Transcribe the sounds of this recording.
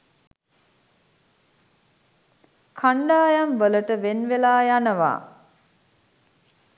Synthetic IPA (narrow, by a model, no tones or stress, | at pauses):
kʰaɳɖaːjamʋələʈəʋenʋelaːjanəʋa̰ː